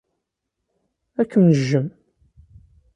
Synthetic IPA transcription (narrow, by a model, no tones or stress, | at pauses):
ækːəmnəʒːəm